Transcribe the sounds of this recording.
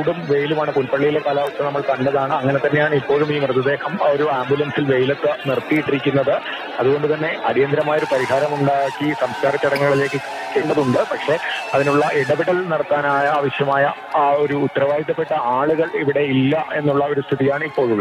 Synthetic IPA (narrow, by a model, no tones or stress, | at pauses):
ɽumʋe̞jlumaːɳɨpulpɐɭːijilekaːlaːʋut̪ːɐnɐmːɐɭk̪ɐnɖɐðaːɳɨɐŋːɐnet̪ɐnːe̞jaːɳipːo̞ːɭumiːmrɨd̪ːɐd̪e̞ːhɐmo̞ɾuaːmbjulɐnsilʋe̞jlɐt̪ːɨnirt̪ːijiʈːiɾikʲːunːɐðɨ | ɐðuɣo̞ɳɖɨt̪ɐnːe̞ʔɐɾijɐnd̪ɾɐmaːjo̞ɾupɐɾiɦaːɾɐmuɳɖaːjakːisɐmskaːɾɐt͡ɕːɐɽɐŋːɐɭile̞ːkːɨkiikʲːeːɳɖɐðuɳɖɨpɐkʂe̞ɐðinuɭːɐʔeɽɐbiɽɐlnɐɽɐt̪ːaːnaːjɐːʋɐɕjɐmaːjɐ | aːo̞ɾuːt̪ːɐɾɐʋaːjik̪ːɐpːe̞ʈːɐaːɭuɣɐɭiʋiɽe̞ilːɐʔe̞nːuɭːɐo̞ɾust̪ʰiðijaːɳɨipːo̞ːɭumːɐ